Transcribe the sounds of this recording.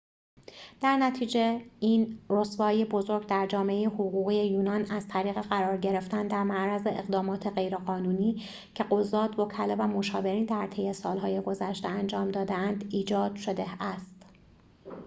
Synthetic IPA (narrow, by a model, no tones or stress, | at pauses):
d̪̥æɾnæt̪ʰiːd͡ʒeiːnrosvɒːjebo̞zo̞ɾɟd̪æɾd͡ʒɒːmeejehoɣuːɣiːje̞juːnɒːnæz̥t̪ʰæɾiːɣe̞ɣæɾɒːɾɟe̞ɾe̞ft̪ænd̪æɾmæʔɾæzeʔeɣd̪ɒːmɒːt̪ʰe̞ɢe̞jɾeɣɒːnuːniː | cʰe̞ɢozːɒːd̪vokʰælevæmo̞ʃɒːve̞ɾiːnd̪æɾt̪ʰe̞jːe̞sɒːlɦɒːje̞ɡo̞zæʃt̪eænd͡ʒɒːmd̪ɒːd̪eænd̪iːd͡ʒɒːd̪̥ʃo̞d̪e̞æst̪